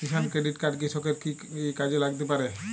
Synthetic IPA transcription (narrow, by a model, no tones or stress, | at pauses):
kiʃankɾeɖiʈkaɖk̬iʃokeɾkiekad͡ʑelaɡt̪ep̬aɾe